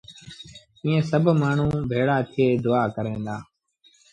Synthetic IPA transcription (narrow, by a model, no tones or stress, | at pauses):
ĩːẽːsəbʱmaːɳ̤ũːbʱeːɽaːt̪ʰɪeːd̪ʊaːkəɾẽːnd̪aː